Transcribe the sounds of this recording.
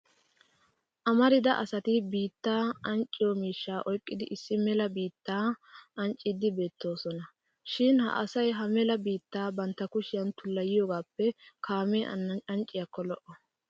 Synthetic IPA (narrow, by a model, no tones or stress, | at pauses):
ʔɐmɐɾɪd̪ɐʔɐsɐt̪ɪbiːt̪ːaːɐnt͡ʃʼːɪjɔmiːʃːaːʔɔjkʼːɪd̪ɪʔɪsːɪmɛlɐbiːt̪ːaːʔɐnt͡ʃʼːɪd̪ɪbe̞ːt̪ːo̞ːsɔnɐ | ʃɪnhɐ̰ʔɐsɐjɦɐmɛlɐbiːt̪ːaːbɐnt̪ːɐkʊʃɪjɐnt̪ʊlːɐjɪjoːɡaːpːɛkʰaːmeːʔɐ̰nɐɐnt͡ʃʼːɪjakːɔlɔʔɔ